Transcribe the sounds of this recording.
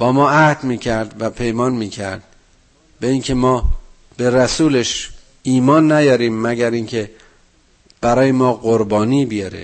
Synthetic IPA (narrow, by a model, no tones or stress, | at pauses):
b̥ɒːmɒːʔæhd̪miːcʰæɾd̪væpʰe̞jmɒːnmiːcʰæɾd̪̥̚ | beiːŋcʰe̞mɒː | b̥e̞ɾæsuːleʃ | iːmɒːnːæjɒːɾiːmːæɟæɾiːŋcʲʰe̞ | b̥æɾɒːjemɒːɢoɾbɒːniːbijɒɾḛ